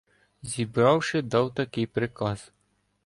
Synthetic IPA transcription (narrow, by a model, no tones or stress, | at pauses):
zʲibɾɑwʂɪd̪ɑwt̪ɐkʲɪjpɾɪkɑz̥